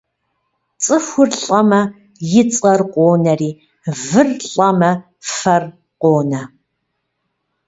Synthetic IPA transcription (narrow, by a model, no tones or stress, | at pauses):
t͡sʼɨxʷʊrɬʼɐmɐ | jɪt͡sʼɐrqʷoːnɐriː | vɨrɬʼɐmɐ | fɐr | qʷoːnɐ